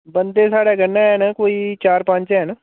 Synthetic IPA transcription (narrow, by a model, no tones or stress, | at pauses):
bənd̪eːsaːɽaːɡənːaːɦɛːnakoːiːt͡ʃaːɾpə̃ɲt͡ʃɛːna